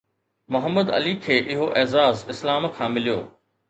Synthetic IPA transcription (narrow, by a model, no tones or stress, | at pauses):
mʊɦəmːəd̪ɐ̰likʰeːʔɪɦoʔɛːzaːzɪslaːmkʰãːmɪlijo̰ː